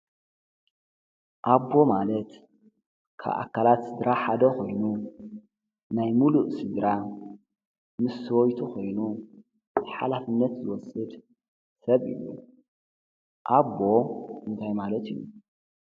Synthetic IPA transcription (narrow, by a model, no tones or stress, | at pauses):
ʔabːo̞malɐt̪ | kʰa̰βʔa̰kːalat̪sɨd̪ɾaħad̪ɐkʰo̞jnu | najmuluʔsɨd̪ɾa | mɨswojt̪ʰukʰo̞jnu | zħa̰lafɨnːɐt̪zɨwɔsɨd̪ | sɐβɨ̰jːṵ | ʔabːo̞ʔɨnt̪ʰajmalɐt̪ɨjːṵ